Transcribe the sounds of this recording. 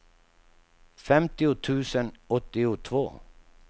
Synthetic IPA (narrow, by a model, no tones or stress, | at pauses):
fɛmt̪ɪʊt̪ʰʉ̟ːsənɔt̪ːɪʊt̪ʰvo̰ː